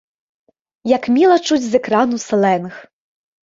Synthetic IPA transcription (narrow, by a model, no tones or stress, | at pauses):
jɐkmʲilˠɐt͡ʂud͡zʲzɛkɾɑnusɛlˠɛnx